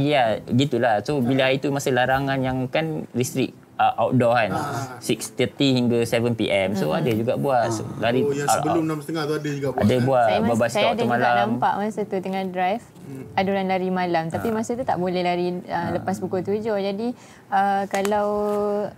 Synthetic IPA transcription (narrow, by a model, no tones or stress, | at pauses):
jaɡit̪ulasobilait̪umasəlaɾaŋanjaŋkanɾist̪ɾik̚ | əʔawt̪̚dɔkansikst̪ət̪ihiŋɡasɛvənpḭʔɛmsoadad͡ʒuɡa̰ʔbuaslaɾibəlʊmnamsət̪əŋaht̪oadəd͡ʒuɡaadəbuaambabasajɔadamalaammpaʔmãsət̪ut̪əŋahdɾajf | adulanlaɾimalamt̪apimasət̪ut̪a̰ʔbolɛhlaɾiələpasbukut̪ud͡ʒɔd͡ʒadi | əkalaw